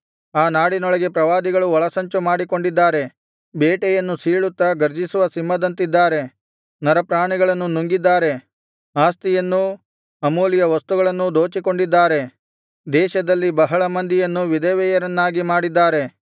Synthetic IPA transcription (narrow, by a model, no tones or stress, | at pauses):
aːnaːɽinɔɭɐɡe̞pɾɐʋaːd̪iɡɐɭuɔɭɐsɐɲt͡ʃumaːɽiko̞ɳɖid̪ːaːɾe̞ | beːʈɛjɐnːusiːɭut̪ːɐɡɐɾd͡ʒisuʋɐsimːɐd̪ɐnt̪id̪ːaːɾe̞ | nɐɾɐpɾaːɳiɡɐɭɐnːunuŋɡid̪ːaːɾe̞ | aːst̪ijɐnːu | ɐmoːlijɐʋɐst̪uɡɐɭɐnːud̪oːt͡ʃiko̞ɳɖid̪ːaːɾe̞ | d̪ɛːʃɐd̪ɐlːibɐɦɐɭɐmɐnd̪ijɐnːuʋid̪ɛːʋɛjɐɾɐnːaːɡimaːɽid̪ːaːɾe̞